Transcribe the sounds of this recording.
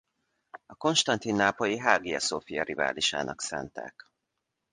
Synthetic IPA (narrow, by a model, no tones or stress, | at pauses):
ɒko̞nʃt̪ɒnt̪inːaːpojiɦaːɡiɒsofijɒɾiva̰ːliʃa̰ːnʔɒksaːnt̪a̰ːk